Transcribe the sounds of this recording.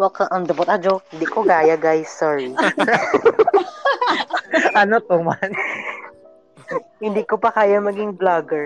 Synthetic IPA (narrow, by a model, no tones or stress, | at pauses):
wɐkɐʔɐŋd̪ɐbot̪ʔɐd͡ʒohɪnd̪ikoɡaːjɐɡajsɔɹi | ʔɐnot̪oman | hɪnd̪ikopɐkaːjɐmɐɡiŋblaɡɛɹ